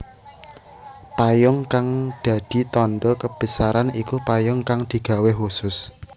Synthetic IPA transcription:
pajʊŋkaŋd̪̥a̤d̪̥i̤t̪ɔnɖ̪ɔkəb̥ə̤saɾanikupajʊŋkaŋd̪̥i̤ɡ̥a̤weɦusʊs

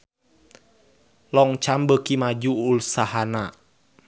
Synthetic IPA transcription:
lɔŋt͡ʃambəkimad͡ʒuːlsaɦana

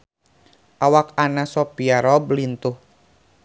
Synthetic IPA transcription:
ʔawakanasɔpiaɾɔblint̪uh

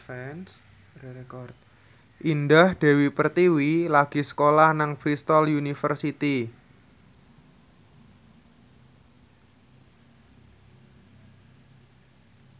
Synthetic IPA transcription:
fɛns | kɔrt̪̚ | ʔindahd̪̥e̤wipərt̪iwilaɡ̥i̤sə̥kolahnaŋpɾist̪ɔljunifərsit̪i

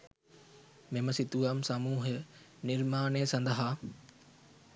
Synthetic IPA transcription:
meməsit̪uaːmsɐmuːɦə | nɪɾmaːneːsɐ̃nd̪əɦaː

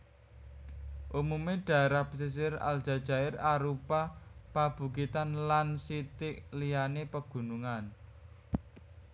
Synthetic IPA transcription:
ʔumumeɖ̥a̤eɾapsis̬ɪɾa̰lʒ̥a̤d̥ʒ̥a̤ɪɾaɾupapab̥ṳkit̪anlansit̪ɪʔlijanepəɡ̥ṳnuŋan

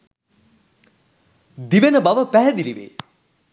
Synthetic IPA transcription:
d̪iʋenəbaʋəpæɦɛd̪iliʋḛː

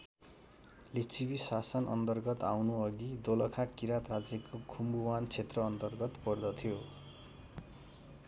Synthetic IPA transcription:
lit͡sʰibisasʌnʔʌ̰nt̪ʌrɡʌt̪awnuʌɡid̪olʌkʰakiɾat̪rad͡zjekokʰumbuwant͡sʰet̪rʌːnt̪ʌrɡʌt̪pʌrd̪ʌt̪ʰijo

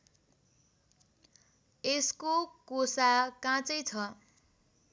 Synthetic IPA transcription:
eskokosakãt͡sʌjt͡sʰʌ

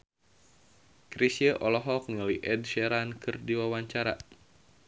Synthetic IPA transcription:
kɾisjəʔɔlɔɦɔk̚naliʔɛdʃɛɾankɨrdiwawaɲt͡ʃaɾa̰

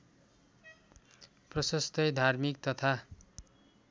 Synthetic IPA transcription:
prʌsʌst̪ʌjd̪ʱarmik̚t̪ʌt̪ʰa

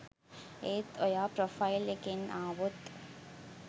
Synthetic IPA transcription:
eːt̪ojaːpɾofajlekenaːʋot̪

